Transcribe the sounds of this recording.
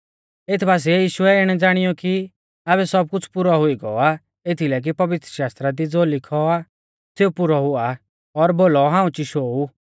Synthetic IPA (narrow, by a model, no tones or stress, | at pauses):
et̪ʰbaːs̬iɛjiːʃʊɛɪɽ̃ɛd͡zaːɽ̃ɪjɔki | aːβɛsɔb̚kʊt͡sʰpʊɾɔɦʊiɡɔ̰a | et̪ʰilɛk̬ipɐʋɪt̪ɾəʃaːst̪ɾad̪id͡zoːlɪkʰɔa | seupʊɾɔɦʊa | ɔɾboːlɔɦãːũt͡ʃiʃoːu